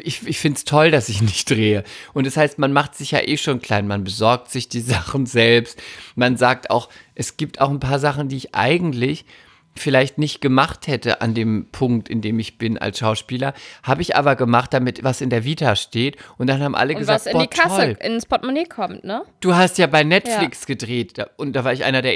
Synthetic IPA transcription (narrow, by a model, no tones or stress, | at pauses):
ʔɪçɪçfɪntstʰɔldasɪçnɪçtd̥ʁeːəʔʊntd̥ɛshaɪstmanmaχtz̥ɪçja̰ːʔeːʃoːnkl̥aɪnmanbəzɔɐk̚tz̥ɪçd̥iːzaχn̩zɛlpstmanzaːk̚ta̰ʊxʔɛsɡ̥iːp̚tʰa̰ʊxn̩pʰaːɐzaχn̩diːɪçʔa̰ɪɡŋ̩tlɪç | fɪlaɪçtnɪçt̚ɡ̥əmaχthɛtəʔa̰ndeːmpʰʊŋk̚tɪndeːmɪçb̥ɪna̰lsʃaʊʃpiːlɐhaːbəɪçʔa̰ːbɐɡəmaχt̚d̥amɪtvasɪndeːɐviːtaʃteːtʔʊnt̚d̥anhaːbm̩ʔa̰ləɡəzvaːsɪ̥ɔikʰaɔəlɪnspɔtmoneːkʰɔmtnəd̥uːɦastjaːbaɪnɛtflɪksɡ̥ədʁeːtd̥aʔʊnt̚d̥aːvaːɐɪçʔa̰ɪnɐdeːɐ